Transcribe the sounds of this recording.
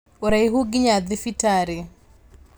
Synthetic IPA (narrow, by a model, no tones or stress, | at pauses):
oɾajɦʊɡɪɲad̪ɪfitaɾɪ